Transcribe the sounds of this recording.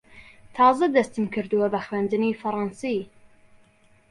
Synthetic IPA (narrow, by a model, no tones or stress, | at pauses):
t̪ʰɑːzɐd̪ɐst̪ɨmkʰɨɾd̪ɨwɐbɐxwend̪ɨniːfɐɾɑːnsi